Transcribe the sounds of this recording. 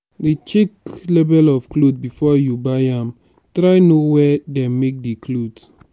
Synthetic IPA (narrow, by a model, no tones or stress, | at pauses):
dit͡ʃiklɛbɛlɔvklod̚bifɔjubaɪãm | tɾaɪnowɛdɛmmek̚diklod